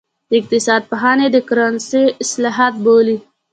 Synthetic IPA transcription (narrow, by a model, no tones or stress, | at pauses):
d̪̥əɪq̚t̪ɪsɑːd̪̚paɦɑːned̪əkʊɾanseɪslɑːɦat̪̚boli